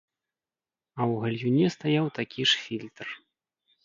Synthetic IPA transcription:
ɐwɣɐlʲjunʲɛst̪ajawt̪akʲiʂfʲilʲt̪r

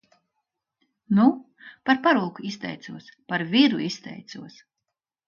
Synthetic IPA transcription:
nu | paɾpaɾuɔkuist̪ɛ̰jt̪suɔspaɾvʲiɾuist̪ɛ̰jt̪suɔs

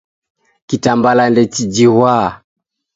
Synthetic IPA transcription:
kitambalandɛt͡ʃid͡ʒihwaː

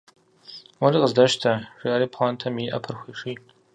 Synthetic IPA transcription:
wɔɾiːqəzdɐʃtʰɐʐiʔɐɾiːpʰχaːntʰɐmiʔɐ̰pʰɨrxʷiːʂiː

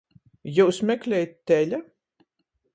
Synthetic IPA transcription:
juːsmʲɛkʲlʲɛjt̪ʲːɛlʲa

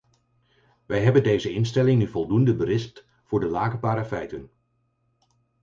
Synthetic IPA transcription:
ʋɛjɦɛbəndejzəɪnstɛlɪŋnyvɔlˠdundəbəɾɪsp̚t | vʊːɹdəlaːkəpaːɾafɛjtən

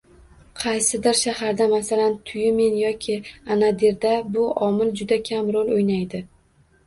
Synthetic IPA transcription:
qʰɑjsɪd̪ɪɾʃahaɾd̪amasalant̪ʰʊjɪme̞njɒkʲʰɪanad̪eɾd̪abʊʔɒmɪld͡ʒʊd̪akʲʰamɾolojnajd̪ɪ

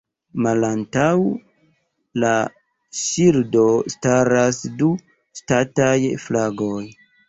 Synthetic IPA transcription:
malantaw | la | ʃiɾdo̞staɾasdu | statajflaɡoj

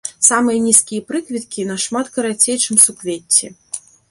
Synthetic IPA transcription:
samɨjɐnʲiskʲijɐpɾɨkvʲit̪̚kʲinɐʂmat̪kɐɾat͡sʲejt͡ʂɨmsukvʲet͡sʲːɛ̰

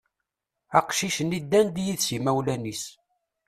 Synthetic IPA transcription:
æqʃiʃənid̪ːænd̪jiðsimæwlænis

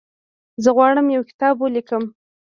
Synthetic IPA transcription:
zəɣwɑɽəmjawkɪ̥t̪ɑbwolikəm

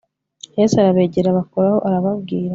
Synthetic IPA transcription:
jesaɾaβe̞ːɟeɾaβakoɾaho̞ʔaɾaβaβɡiːɾa

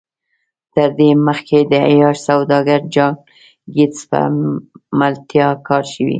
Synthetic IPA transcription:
t̪əɾd̪eməxked̪əajɑʃsawd̪ɑɡaɾd͡ʒɑŋ | ɡit͡spə̰malt̪jɑkʰɑɾʃəwḭ

